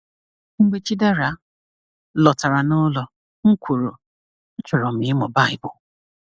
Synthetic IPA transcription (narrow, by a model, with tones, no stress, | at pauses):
ŋ͡m̩˦ɡ͡be˦t͡ʃi˦de˦ɾa˨ | lɔ˨ta˨ɾa˨nʊ˦lɔ˨ | ŋ̩˦kʷu˨ɾo˨ | n̩˦t͡ʃʊ˨ɾɔ˨m̩ɪ˨˦ɪ˦mɔ˨ba˦ɪ˦bʊ˨